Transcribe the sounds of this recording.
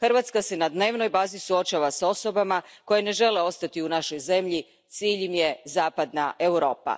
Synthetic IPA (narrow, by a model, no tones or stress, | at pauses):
xrɾʋat̪skase̞nad̪ne̞ːʋno̞jbaːzisuo̞t͡ʃaʋaso̞so̞bamako̞jene̞ʒe̞le̞o̞st̪at̪iunaʃo̞jze̞mʎi | t̪siːʎemje̞zaːpad̪naʔe̞wɾo̞̰ːpa̰